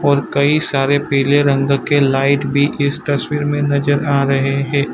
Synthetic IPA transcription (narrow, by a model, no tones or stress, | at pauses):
ɔːɾkɐisaːɾepɛːleɾɐ̃ŋɡkelaːɪʈbʱiʔɪst̪ɐswiːɾmẽnɐd͡ʒəɾaːɾɐɦeɦɛ̃ː